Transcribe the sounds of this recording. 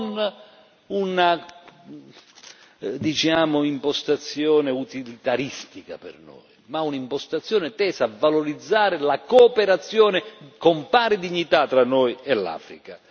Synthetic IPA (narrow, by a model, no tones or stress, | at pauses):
n | una | d̪it͡ʃaːmʊimpɔst̪at̪sːjɔːnɪut̪ilit̪aɾist̪ika̰pɪ̰rnɔ̰jmaunaimpɔst̪at̪sːjɔːnɪt̪ɛːsaːvːaloɾid̪zːaːɾɪlakoːpeɾat̪sːjɔːnɪkompaːɾɪd̪iɲːit̪at̪ːɾanːɔjɛlːa̰ːfɾika